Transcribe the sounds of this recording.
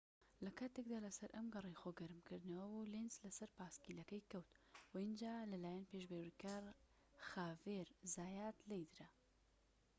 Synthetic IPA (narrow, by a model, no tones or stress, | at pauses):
lɐkaːt̪ek̚d̪aːlɐsɐɾʔɐmɡɐrˤejxoːɡɐɾɨmkɨɾd̪ɨnɐwɐbulenslɐsɐɾpaːskiːlɐkɐjkɐwt̪wɐind͡ʒaːlɐlaːjanpeːʃbeːwikaːɾ | xaːveɾzaːjaːt̪lejd̪ɨɾɐ